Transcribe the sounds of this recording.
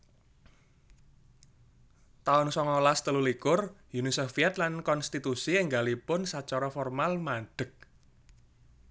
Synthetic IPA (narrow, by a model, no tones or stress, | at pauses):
t̪aʊnsɔŋɔlast̪əlulikʊrjunisofiɛt̪lankɔnst̪it̪usiɪŋɡalipʊnsat͡ʃɔɾɔfɔrmalmaɖ̥ə̤k̚